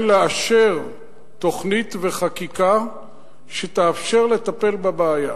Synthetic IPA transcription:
leaʃeʁ | t̪o̞χnit̪ve̞χakika | ʃet̪aːfʃe̞ʁle̞t̪ape̞lbabeːja

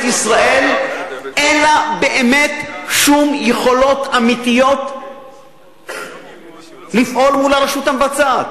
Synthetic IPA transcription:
tisʁaʔe̞lʔelabe̞ʔeme̞t̪ʃumjeχo̞lo̞t̪amit̪ijo̞t̪ | lifʔo̞lmulaʁeʃut̪amvat͡saːt̪

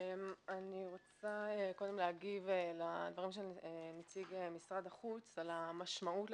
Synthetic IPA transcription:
emaniʁot͡saekod̪e̞mleaɡivelad̪vaʁimʃeenit͡siɡemisʁad̪aχut͡salamaʃmaut

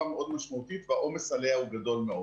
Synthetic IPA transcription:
ameʔo̞d̪maʃmaut̪it̪veaʔo̞meshaleauɡad̪o̞lmeo

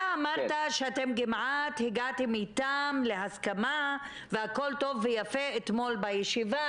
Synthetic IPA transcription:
amaʁt̪aʃeat̪emɡimʕat̪hiɡat̪imit̪amle̞ɦaskama | veako̞lt̪o̞vːejafeet̪mo̞lbajeʃiva

